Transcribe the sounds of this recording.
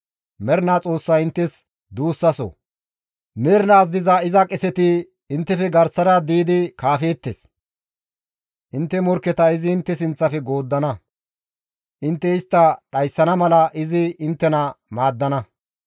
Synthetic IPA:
mɛɾnaːt͡sʼo̞ːsːɐjɪnt̪ːɛs | d̪uːsːɐsɔ̰ | meːɾnaːs̬d̪ɪzɐɪzɐkʼɛsɛt̪ɪ | ɪnt̪ːɛfɛɡɐɾsɐɾɐd̪iːd̪ɪkaːfe̞ːt̪ːes | ʔɪnt̪ːɛmɔɾkɛt̪ɐɪzɪːnt̪ːɛsɪnt͡sːɐfɛɡo̞ːd̪ːɐnɐ | ʔɪnt̪ːɛɪst̪ːɐɗɐjsːɐnɐmɐlɐʔɪzɪɪnt̪ːɛnɐmaːd̪ːɐnɐ

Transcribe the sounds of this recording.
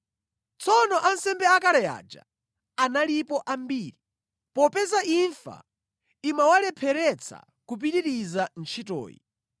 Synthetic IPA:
t͡sʰɔnɔʔansɛmbɛakalɛja̰ːd͡ʒa̰ | analipɔʔambiːɾi | pɔpɛzaʔiɱfa̰ | imawalɛpʰɛɾɛt͡sʰa̰ | kup̬iɾiɾizant͡ʃʰitɔ̰ːjḭ

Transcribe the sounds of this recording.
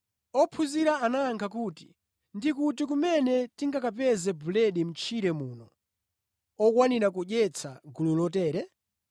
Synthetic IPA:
ɔpʰuziɾaːnaŋkʰakuti̥ | ndikutik̬umɛnɛtiŋɡakap̬ɛzɛbulɛɗim̩t͡ʃʰiɾɛmuːnɔ | ɔkwaniɾakuʄɛt͡sʰaɡululɔtɛːɾɛ

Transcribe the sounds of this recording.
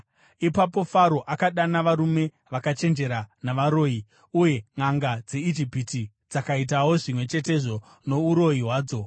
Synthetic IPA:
ipapo̞faɾo̞ʔakaɗanaʋaɾume̞ | ʋakat͡ʃe̞nd͡ʒe̞ɾanaʋaɾo̞ːi | uje̞ŋaŋɡad͡ze̞id͡ʒipiti | d͡zakait̬awo̞ʐimwe̞t͡ʃe̞te̞ʐo̞ | no̞uɾo̞jiɦwaːd͡zo̞

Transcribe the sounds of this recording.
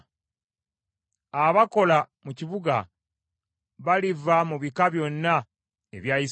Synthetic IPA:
aβako̞la | muciβuɡa̰ | βalivamuβikaβjo̞nːa | ḛβjajis

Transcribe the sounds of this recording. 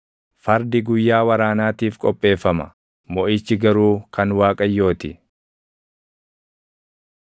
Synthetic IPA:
fɐɾd̪ɪɡʊjːaːwɐɾaːnaːt̪iːfkʼɔpʼːe̞ːfːɐmɐ̰ | mɔʔiːt͡ʃːɪɡɐɾuːkɐnwaːkʼɐjːo̞ːt̪ɪ

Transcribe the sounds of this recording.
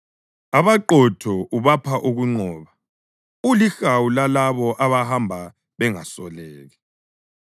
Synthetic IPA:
aβaǃɔtʰɔʔuβapʰaʔuɣuŋ͡ǀɔːβa | ulixawulalaβɔʔaβahambʱa | βɛŋasɔlɛːɣɛ

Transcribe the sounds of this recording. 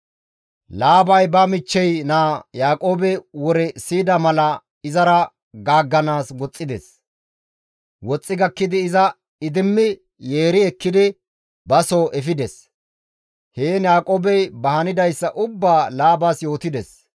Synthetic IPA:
laːbɐjbɐmɪt͡ʃːɛjnaːjaːkʼo̞ːbɛwɔɾɛsiːd̪ɐmɐlɐ | ɪzɐɾɐ | ɡaːɡːɐnaːswɔt͡sʼːɪd̪ɛs | wɔt͡sʼːɪɡɐkːɪd̪ɪːzɐ | ɪd̪ɪmːɪ | je̞ːɾɪɛkːɪd̪ɪ | bɐsoːʔɛfɪd̪ɛs | heːnjaːkʼoːbɛjbɐhɐnɪd̪ɐjsːɐʔʊbːaːlaːbasjo̞ːt̪ɪd̪ɛs

